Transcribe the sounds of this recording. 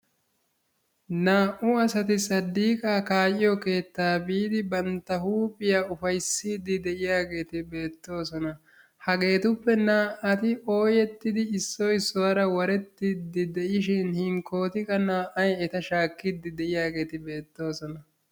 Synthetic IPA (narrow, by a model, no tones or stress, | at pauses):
naːʔʊɐsɐt̪ɪsɐd̪ːiːkʼaːkaːjɪjɔke̞ːt̪ːaːbiːd̪ɪbɐnt̪ːɐhuːpʼɪjaʊfɐjsːiːd̪ːɪd̪ɛʔɪjaːɡe̞ːt̪ɪbe̞ːt̪ːo̞ːsɔnɐ | hɐɡe̞ːt̪ʊpːɛnaːʔʔɐt̪ɪʔo̞ːjɛt̪ːɪd̪ɪɪsːɔjsɔwɐɾɐwɐɾɛt̪ːɪd̪ːɪd̪ɛʔɪʃɪnhɪŋko̞ːt̪ɪkʼɐnaːʔɐjɛt̪ɐʃaːkːɪd̪ːɪd̪ɛʔɪjaːɡe̞ːt̪ɪbe̞ːt̪ːo̞ːsɔnɐ